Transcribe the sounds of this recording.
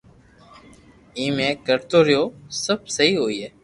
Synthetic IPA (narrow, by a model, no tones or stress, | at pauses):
ĩːmẽːkəɾt̪oːɾɪjoːsəb̚səɦiːɦoːiːɦeː